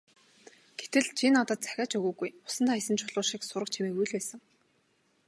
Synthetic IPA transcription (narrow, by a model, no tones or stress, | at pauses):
ɡ̥et̪ɘ̆ɮt͡ɕʰinat̪ə̆t̪̚t͡sæ̥xʲaːt͡ɕɵɣuːɣujʊ̥sə̆nt̪ʰaːisɘ̆nt͡ɕʰʊɮʊːʃiːksʊɾə̆k̚t͡ɕʰimeːujɮpæːsə̆ŋ